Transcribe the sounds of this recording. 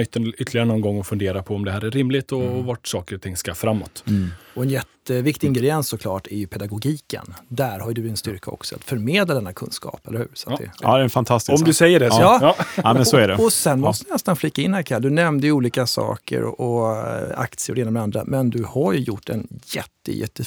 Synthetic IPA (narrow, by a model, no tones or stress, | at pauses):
ʏt̪ːənʏt̪ʰːlɪɡaɾənɔnɡɔŋːɔfɵnd̪eːɾapʰɔɔmd̪ɛɦæːɾæɾːɪmlɪt̪ɔɔvaʈsɑːkəɾɔt̪ʰɪŋːskafɾamːɔ̰t̪ɔɛnjɛt̪ːəvɪkt̪ɪɪŋɡɾɛd̪ɪɛnsːɔkʰlɑːʈæɾjɵpʰɛd̪aɡʊɡiːkə̰nd̪æɾhaɾjd̪ɵd̪ɪnst̪ʏɾkʰaɔ̰ksɔa̰t̪fœɾmeːd̪lad̪ɛnːakʰɵ̰nskɑ̰ːpɛləhʉ̟ːɾsat̪d̪ɛ̰d̪ɛɛnfant̪ʰast̪ɪɔmdd̪ɵsɛjːəɖɛjɑːɛnsɔæɖɛɔsɛnːmɔst̪əd̪ɪnɛst̪anflɪkːaɪnhæːɾkʰɛld̪ɵnɛmnd̪əjʏuːliːkasɑ̰ːkə̰ɾɔʔɔ | a̰kt̪sɪəɾɔd̪eːnmɛand̪ɾa̰mɛnd̪ɵhaɾjɵjʊʈːɛ̰njɛ̰t̪ːə̰jɛ̰t̪ːə